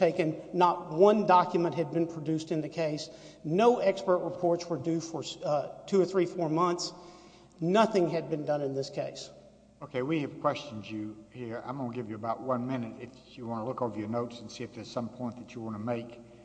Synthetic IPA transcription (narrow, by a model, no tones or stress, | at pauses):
tʰeɪkɨ̃nːət̚wʌ̃ndɑkjɨmɨ̃nʔɦɨd̚bɨ̃npʰɹ̥ɨdʉstɨ̃nðɨkʰeɪsnoʊɛkspə˞t̚ɹəpʰɔɹtswə˞dʉfə˞tʰʉə˞θɹifɔɹmʌ̃nθs | nʌθɪ̃ŋɨd̚bɨ̃ndʌ̃nɨ̃nðɪskʰeɪs | oʊkʰeɪwiɨv̥kʰw̥ɛst͡ʃn̩d͡ʒɨhiɹã̰ɪmõʊnɡɪvjɨəbaʊt̚wʌ̃nmɪ̃nɨɾɪf | jɨwɑ̃nəlʊkoʊvə˞jə˞noʊtsn̩siɨfðə˞z̥sʌ̃mpʰɔ̃ɪ̃nðɨt͡ʃəwɑnəmeɪk